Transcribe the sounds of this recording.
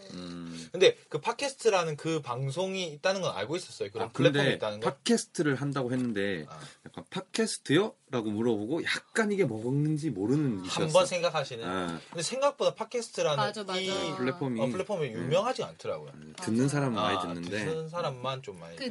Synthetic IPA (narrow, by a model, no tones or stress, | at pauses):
kɯnde̞kɯpʰat̚kʰe̞sʰɯ̥tʰɯɾanɯnkɯpaŋsʰoŋiːt̚t͈anɯnɡʌna̰ɭɡois͈ʌs͈ʌjokɯɾʌnpʰɯɭːepdʰeit͈anɯnɡʰat̚kʰe̞sʰɯ̥tʰɯɾɯɭɦandaɡohe̞nːɯnde̞jak͈anpʰakʰesʰɯ̥tʰɯjʌɾaɡomuɾʌboɡojak̚k͈aɲiɡe̞mʌɡɯŋnɯnd͡ʑimoɾɯnɯniambʌnsʰe̞ŋɡakʰaɕʰinɯakɯnde̞sʰe̞ŋɡak̚p͈odapʰakʰe̞sʰɯ̥tʰɯɾanɯnipʰɭːepʰʌmʰɯɭːe̞pʰʌmijumjʌŋɦad͡ʑia̰ntʰɯɾaɡojo̰ | tɯnːɯns̬ʰaɾamɯaiɯnnːɯndeɯnsʰaɾamːant͡ɕomːa̰i